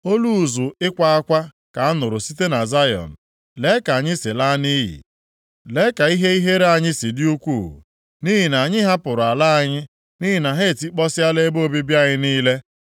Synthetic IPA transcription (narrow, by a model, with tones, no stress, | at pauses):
o˦lu˦˨zʊ˨ɪ˦kʷa˦a˦kʷa˦ | ka˨a˦nʊ˨ɾʊ˨si˦te˦na˨za˦jɔ̰˨n̩˨ | le˦ka˨ɲɪ˦sɪ˨la˦ni˦jḭ˨ | le˦ka˨i˦ɦe˦i˦ɦe˦ɾe˦a˨ɲɪ˦si˨dɪ˦u˦kʷuː˦˨ | ni˦ɦi˨na˨ɲɪ˦ɦa˦pʊ˨ɾʊ˨a˨la˦a˨ɲɪ˦ | ni˦ɦi˨na˨ɦe˦˨ti˦k͡pɔ˦sɪ˦a˦le˦bo˦˨bi˦bja˦ɲɪ˦niː˦le˦